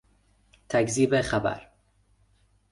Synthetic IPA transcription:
t̪ʰækziːbexabæ̰ɾ

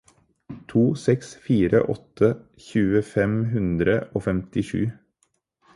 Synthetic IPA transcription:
t̪ʰuːsɛksfiːɾə̰ʔɔ̰t̪ʰə | çʉːəfɛmɦʉnd̪ɾəʔoːfɛmt̪ɪʂʉ̰ː

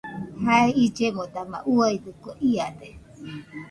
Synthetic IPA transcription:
haeid͡ʒemod̪ama̰ʔuaid̪ukoʔiad̪e

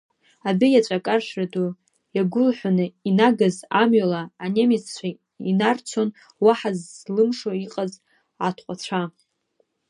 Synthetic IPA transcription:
abɨjat͡ɕʷʼakʼarʃrado | jaɡʷʊlħʷanɨinaɡazamɥalaːnemizt͡ɕʷʰa | inart͡sʷʰo̞n | waħazlɨmʂoiqʼaz | ʕatʰqʷʼat͡ɕʷʰa

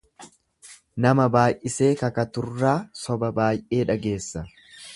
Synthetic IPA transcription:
nɐmɐbaːjʔɪse̞ːkɐkɐt̪ʊrːaːsɔbɐbaːjʔe̞ːᶑɐɡe̞ːsːɐ

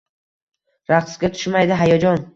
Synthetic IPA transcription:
ɾaqsɡʲat̪ʰʊ̥ʃmajd̪ɪɦajɒd͡ʒɒn

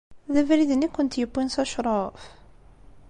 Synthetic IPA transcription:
ðævɾiðənikʷːʊnt̪jəbːinsɑʃɾˤɑf

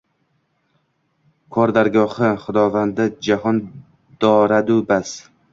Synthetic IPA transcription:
kʰɒɾd̪aɾɡɒhɨχʊd̪ɒvand̪ad͡ʒaɦɒn | d̪̥ɒɾad̪ubas

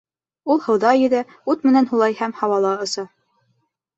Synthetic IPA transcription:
ulˠhɤ̆wðɑjɘ̆ðɘ | ʉt̪mɘ̆nænhulˠɑjhæmhɑwɑlˠɑɤ̆sɑ

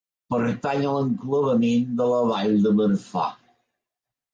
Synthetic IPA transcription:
pəɾt̪aɲələŋkləβəmend̪ələβajd̪əməɾsa̰

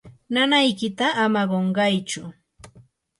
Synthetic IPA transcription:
nanajkɪt̪aːmaɢoɴɢɑjt͡ʃʊ

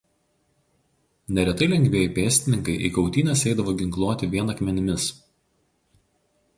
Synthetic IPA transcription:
nʲɛɾʲɛt̪ɐɪlʲɛŋʲɡʲʋʲeːjɛˑpʲeːsʲt̪ʲɪnʲɪŋkɐɪʔikɒʊt̪ʲiːnʲɛsɛɪd̪ɐʋoːɡʲɪŋklˠuɔt̪ʲɪʋʲiɛnɐkmʲɛnʲɪmʲɪs

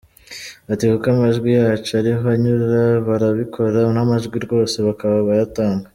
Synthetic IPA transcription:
atihukamaʒɡwijaːt͡ʃoaɾiɦoaɲuɾaβaɾaβikʰo̞ɾanamaʒɡwiɾɡo̞ːse̞βakaβaβajataːŋɡa

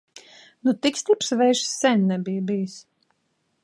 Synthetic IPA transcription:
nut̪ikst̪ipsvɛjʃsːɛnʲnɛbijbijs

